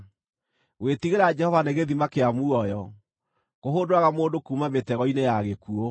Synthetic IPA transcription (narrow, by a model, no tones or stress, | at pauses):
wetiɣeɾad͡ʒɛhɔvaneɣeðimakeamuɔjɔ | koɦoːndoaɣamoːndokuːmametɛɣɔinejaɣekuo